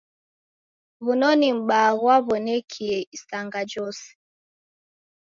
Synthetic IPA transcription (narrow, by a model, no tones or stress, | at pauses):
βunɔnim̩ɓaɣwaβɔnɛkʰiɛisaŋɡad͡ʒɔsɛ̥